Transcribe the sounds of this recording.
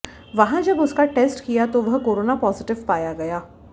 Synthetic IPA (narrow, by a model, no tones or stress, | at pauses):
ʋɐɦãd͡ʒɐbʊskaʈeːsʈkijat̪oʋɐɦkoːɾoːnapɔːzɪʈɪʋpaːjaɡɐjaː